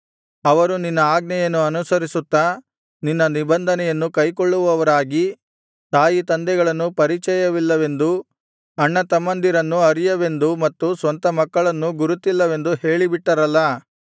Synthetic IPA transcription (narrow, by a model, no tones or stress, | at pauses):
ɐʋɐɾuninːɐaːɡnɛjɐnːuɐnusɐɾisut̪ːɐ | ninːɐnibɐnd̪ʱɐnɛjɐnːukɐjkoɭːuʋɐʋɐɾaːɡi | t̪aːjit̪ɐnd̪ɛɡɐɭɐnːupɐɾit͡ʃɛjɐʋilːɐʋe̞nd̪u | ɐɳːɐt̪ɐmːɐnd̪iɾɐnːuɐɾijɐʋe̞nd̪umɐt̪ːusʋɐnt̪ɐmɐkːɐɭɐnːuɡuɾut̪ilːɐʋe̞nd̪uhe̞ːɭibiʈːɐɾɐlːɐ